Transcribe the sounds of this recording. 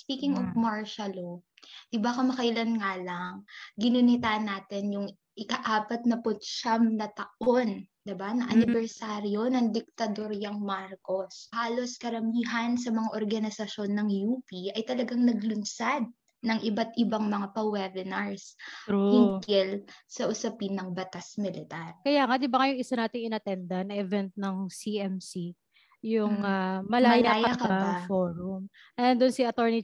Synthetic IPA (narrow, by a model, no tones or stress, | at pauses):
spiːkɪŋovmaɹʃɐlo | d̪ɪbakɐmɐkɐʔɪlɐnŋaːlɐŋɡɪnɪnɪt̪aʔnːaːt̪ɛnjʊŋ | ʔɪkɐʔaːpɐt̪̚nɐpʊt̪ʃamnɐt̪ɐʔo̞nd̪ɪbanɐʔɐnɪbɛɹsaːɾjo̞nɐŋd̪ɪk̚t̪ɐd̪o̞ɾjɐŋmaɾkoshaːlo̞skɐɾɐmiːɦɐnsɐmɐŋaʔoɾɡɐnɪsɐʃo̞nːɐŋjuːpiɐjt̪ɐlɐɡaŋnɐɡlʊnsad̪̚ | nɐŋʔɪbat̪ɪbaŋmɐŋapɐwɛbɛnɐɹsɪŋkɪlsɐʔʊsɐpinːɐŋbɐt̪asmɪlɪt̪aɾkɐjaːŋad̪ɪbaŋɐjʊŋɪsanaːt̪ɪŋɪnɐt̪ɛnd̪anɐʔɛvɛnt̪̚nɐŋsiʔɛmsi | jʊŋamɐlaːjlaaːjɐakɐafoɾʊm | ʔɛd̪ʊnsiɐt̪oɹni